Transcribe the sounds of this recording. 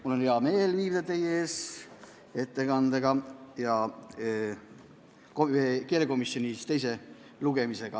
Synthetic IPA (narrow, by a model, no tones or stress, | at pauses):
mulo̞neɑme̞ːlviːvd̪ɑt̪e̞jeeːs | e̞t̪ːekɑnd̪̥eɡ̥ɑjɑ | koekeːleko̞misjo̞nʲit̪e̞js̬e̞ | luɡe̞mise̞ɡ̥ɑ